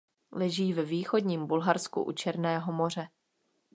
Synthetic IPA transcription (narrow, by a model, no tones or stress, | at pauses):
lɛʒiːvɛviːxo̞dɲiːmbulɦaɾskṵʔṵt͡ʃɛɾnɛːɦo̞mo̞r̝ɛ